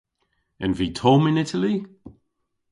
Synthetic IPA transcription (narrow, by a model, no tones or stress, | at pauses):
ənviːtʰɔːmɪ̃nɪtʰəli